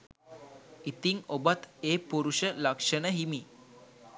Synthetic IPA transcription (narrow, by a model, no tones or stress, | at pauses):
it̪iŋobat̪eːpuɾuʃəlakʂənəɦimi